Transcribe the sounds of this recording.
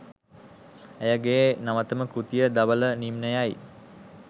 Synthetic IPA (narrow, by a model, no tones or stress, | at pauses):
ejəɡeːnaʋət̪əməkut̪ijəd̪aʋələnimnəjaj